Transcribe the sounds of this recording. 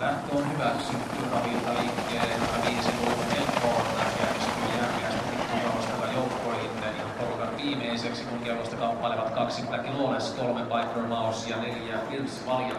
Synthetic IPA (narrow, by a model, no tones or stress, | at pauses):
læht̪øːnhyʋæksyt̪ːyrɑʋilt̪ɑliːkːeːjoɑʋiːsiluːkukelpːoɑnnɑkiæksikujjærʋiæsipik̪ːukɑʋosjokɑjoukːoilit̪ːekiɑmporukɑtʋiːmeiseksikuŋkelkːost̪ɑkɑpːɑleʋɑt̪kɑksit̪ækiloneskolmepɑik̪romɑusjɑneljæirsʋɑljɑ